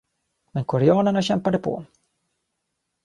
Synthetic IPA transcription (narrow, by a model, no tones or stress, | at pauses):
mɛnkʰɔɾɛɑːnəɳaɕɛmpad̪əpʰɔ̰